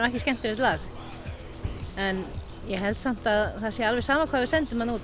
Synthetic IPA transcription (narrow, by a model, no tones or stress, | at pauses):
mɛhcɪscɛm̥t̪ɪɾɪt̪laːx | ɛn | jɛɦɛlt̪sam̥t̪aðθasjɛɾalvɛsaːmakʰvaːvɪðsɛnt̪ʏmhaðnuːt̪